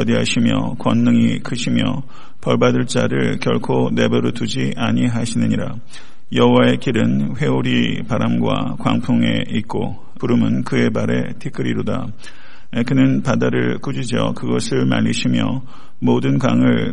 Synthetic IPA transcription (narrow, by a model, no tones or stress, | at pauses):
ʌdiɦaɕʰimjʌ̰kwʌnːɯŋikʰɯɕʰimjʌ̰ | pʌɭbadɯɭt͡ɕ͈aɾɯɭkjʌ̰ɭkʰone̞bʌɾotud͡ʑiʔaɲiɦaɕʰinɯɲiɾa | jʌɦowae̞kiɾɯnɸwe̞uɾipaɾamɡwa̰kwa̰ŋpʰuŋe̞̰it̚k͈o | uɾɯmɯnkɯe̞baɾe̞̰tʰikʰɯɾiɾoda̰ | kɯnɯnpadaɾɯɭkud͡ʑid͡ʑʌ̰kɯɡʌsʰɯɭma̰ʎːiɕʰimjʌ̰ | modɯnka̰ŋɯɭ